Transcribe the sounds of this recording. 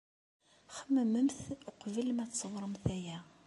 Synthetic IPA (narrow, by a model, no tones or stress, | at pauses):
χəmːəmːəmθʊqvilmæsːəwɾˤəmθæjæ